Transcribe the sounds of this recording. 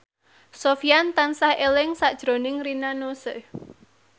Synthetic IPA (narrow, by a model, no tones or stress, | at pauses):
sofiant̪ansahelɪŋsaʔd̥ʒ̥ɾo̤nɪŋrinanosə̰